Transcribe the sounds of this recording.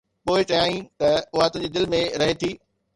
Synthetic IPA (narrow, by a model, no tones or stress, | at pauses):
poːɪt͡ɕɐjaːĩt̪ɐʊɦat̪ʊ̃ɦd͡ʑed̪ɪlmẽɾɐɦet̪ʰiː